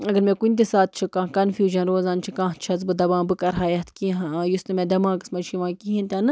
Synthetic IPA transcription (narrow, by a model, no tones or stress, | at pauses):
ɐɡɐɾmʲẽkunʲt̪̬ʲisaːt̪̚t͡ʃʰikãːkɐnfjuːʒɐnɾoːzãːnt͡ʃʰikãːɦt͡ʃʰɐzbɨd̪ɐbãːbɨkɐɾɦaːjɐt̪ʰkĩɦjust̪ɨmʲẽd̪ɐmãːkɨsmɐʃiʋãːkiɦĩnt̪ʲɐnɨ